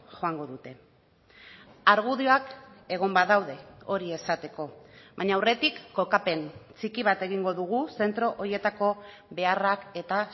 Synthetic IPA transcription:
ʝo̞aŋɡo̞ðut̪e̞ | aɾɣ̞uðioake̞ɣ̞o̞mbaðawðe̞o̞ɾie̞sat̪e̞ko̞βaɲaːwre̞t̪ikːo̞kape̞nt͡sikiβ̞at̪e̞ɣiŋɡo̞ðuɣuse̞nt̪ɾo̞ʔoɾje̞t̪ako̞ | be̞arake̞t̪a

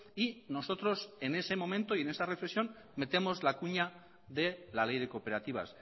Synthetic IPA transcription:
ino̞so̞t̪ɾo̞se̞ne̞se̞mõ̞mẽ̞nt̪oie̞ne̞sarefleksjo̞n | me̞t̪e̞mo̞zlakuɲa | ðe̞lale̞jðe̞ko̞pe̞ɾat̪iβ̞a̰s

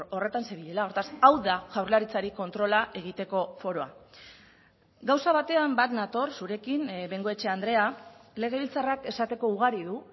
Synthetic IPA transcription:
o̞re̞t̪anseβiʎe̞lao̞ɾt̪asawðaʝawɾlaɾit͡saɾiko̞nt̪ɾo̞laʔe̞ɣ̞it̪e̞ko̞fo̞ɾo̞a | ɡawsaβat̪e̞ambat̪nat̪o̞ɾsuɾe̞kinbeŋɡo̞et͡ʃe̞and̪ɾe̞ale̞ɣ̞e̞βilt͡sarake̞sat̪e̞ko̞uɣ̞aɾiðu

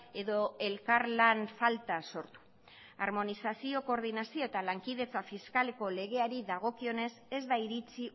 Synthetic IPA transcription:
e̞ðo̞e̞lkaɾlanfalt̪aso̞ɾt̪u̥ | aɾmo̞nisasio̞ko̞ɾðinasio̞e̞t̪alaŋkið̞e̞t͡safiskale̞ko̞le̞ɣ̞e̞aɾiðaɣ̞o̞kio̞ne̞se̞zd̪aiɾit͡si

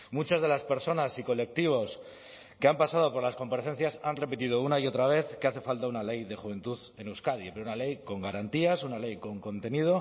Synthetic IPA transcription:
mut͡ʃazðe̞laspe̞ɾso̞nasiko̞le̞k̚t̪iβ̞o̞s | ke̞ampasað̞o̞po̞ɾlasko̞mpaɾeθe̞nθjasanre̞pit̪iðo̞unaio̞t̪ɾaβ̞e̞θkeaθe̞falt̪aunale̞jðe̞xuβe̞nt̪uðe̞neuwskaðipeɾounale̞jko̞ŋɡaɾant̪iasunale̞jko̞ŋko̞nt̪e̞nið̞o̞

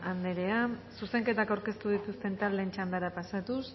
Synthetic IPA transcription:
and̪eɾe̞asuse̞ŋke̞t̪akawɾke̞st̪uð̞it̪ust̪e̞nt̪ald̪e̞nt͡ʃand̪aɾapasat̪us

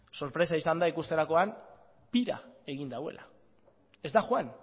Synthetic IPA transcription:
so̞ɾpɾe̞saisand̪aikust̪e̞ɾako̞an | piɾa̰e̞ɣind̪awe̞̰lʔa̰ | e̞zd̪axwan

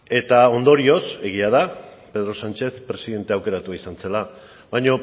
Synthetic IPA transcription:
e̞t̪ao̞nd̪o̞ɾio̞se̞ɣ̞iað̞a | pe̞ð̞ɾo̞sant͡ʃe̞θpɾe̞siðe̞nt̪e̞awke̞ɾat̪uaisanse̞la | βajɲo̞

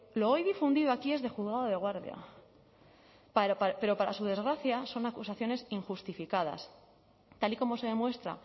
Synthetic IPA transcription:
lo̞ojðifund̪iðo̞akie̞zðe̞xuðɣaðoðe̞ɣ̞waɾðja̰ | paɾpape̞ɾo̞paɾa̰suðe̞zɣɾaθjaso̞nakusaθjo̞ne̞siŋxust̪ifikað̞a̰s | t̪aliko̞mo̞se̞ðe̞mwe̞st̪ɾa̰

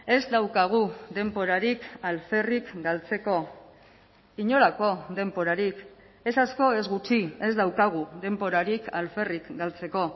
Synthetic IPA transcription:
e̞zd̪awkaɣ̞ud̪e̞mpo̞ɾaɾikalfe̞rikɡalt͡se̞ko̞ | iɲo̞ɾako̞ðe̞mpo̞ɾaɾik | e̞sasko̞e̞zɣut͡ʃie̞zd̪awkaɣ̞uðe̞mbo̞ɾaɾikalfe̞rikɡalt͡se̞ko̞

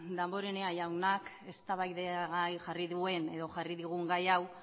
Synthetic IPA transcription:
d̪ambo̞ɾe̞neajawnak | e̞st̪aβajðeɣajʝariðue̞ne̞ðo̞ʝariðiɣ̞uŋɡajaw

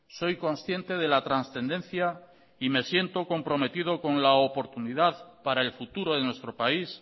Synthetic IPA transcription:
so̞jkõ̞nsθje̞nt̪e̞ð̞e̞lat̪ɾansθẽ̞nd̪ẽ̞nθja | ime̞sje̞nt̪o̞ko̞mpɾo̞me̞t̪ið̞o̞ko̞nlaopo̞ɾt̪uniðaðpaɾaelfut̪uɾoð̞enwest̪ɾopais

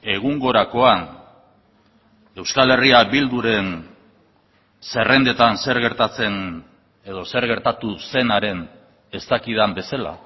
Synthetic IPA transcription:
e̞ɣ̞uŋɡo̞ɾako̞an | e̞wskale̞riabild̪uɾe̞n | se̞re̞nd̪e̞t̪anse̞ɾɣe̞ɾt̪at͡se̞n | e̞ðo̞se̞ɾɣe̞ɾt̪at̪use̞naɾe̞n | e̞st̪akið̞ambe̞sala̰

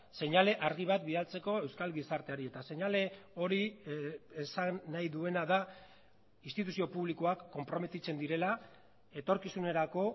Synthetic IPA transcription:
se̞ɲale̞ʔaɾɣiβ̞at̪̚biðalt͡se̞ko̞e̞wskalɡisaɾt̪e̞aɾie̞t̪ase̞ɲale̞o̞ɾi | esanːajðue̞naða | inst̪it̪usio̞puβliko̞akːo̞mpɾo̞me̞t̪it͡se̞nd̪iɾe̞la | e̞t̪o̞ɾkisune̞ɾako̞

